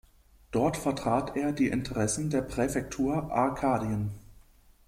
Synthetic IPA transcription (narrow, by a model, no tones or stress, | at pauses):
d̥ɔɐtfɛɐtʁ̥aːteːɐdiːʔɪntʰəʁɛsn̩deːɐpʁ̥ɛfɛk̚tʰuːɐʔa̰ɐkʰaːdiən